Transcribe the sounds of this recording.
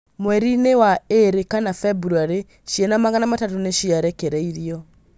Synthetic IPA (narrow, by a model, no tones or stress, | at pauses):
mwɛɾinewaeɾekanafɛbuɾuaɾe | ʃienamaɣanamatatoneʃiaɾɛkeɾɛiɾiɔ